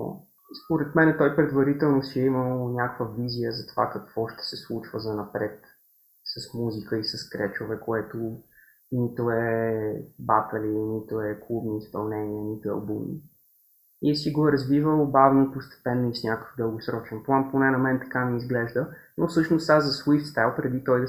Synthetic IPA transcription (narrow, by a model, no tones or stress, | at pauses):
spoɾɛt̪mɛnɛt̪ɔjpɾɛd̪vɐɾit̪ɛlˠnosiɛiməlˠnʲakəkvəvizijəzɐt̪ova̰kɐkv̥ɔʃt̪ɛ̥sɛslˠut͡ʃvəzɐnɐpɾɛt̪ | sɐsmuzikəisɐskɾɛt͡ʃovɛkoɛt̪o | nit̪oɛ | bat̪əlinit̪oɛklˠubniːspɐ̰lˠnɛniənit̪ʊɐ̰lˠbumḭ | isiɡoɛɾɐzvivəlˠbavnoipost̪ɛ̥pɛnːəisnʲakə̥vd̪əlˠɡosɾɔt͡ʃɛnplˠanponɛnɐmɛnt̪ɐ̥kaniizɡlɛʒd̪ənofsɤʃnost̪azzɐswift̪st̪ajlˠpɾɛd̪it̪ɔjd̪ɐ